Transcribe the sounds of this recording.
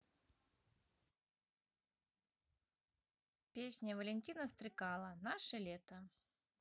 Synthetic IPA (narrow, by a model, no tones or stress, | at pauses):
pʲesʲnʲəvəlʲɪnʲtʲinəst̪ɾɨkalˠənaʂɨlʲet̪ə